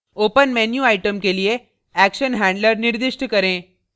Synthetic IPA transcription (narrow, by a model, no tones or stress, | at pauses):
opənmɛnjuajʈəmkelije | ækɕənɦæ̃ɳɖləɾniɾd̪iʂʈəkəɾẽ